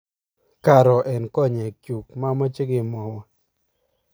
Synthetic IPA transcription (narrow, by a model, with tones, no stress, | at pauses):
ka˨ɾɔ˨ʔɛ˨nkɔ˦˨ɲɛ˨kju˨kma˦ma˦t͡ʃi˦ɡɪ˨mɔ˨wɔ˨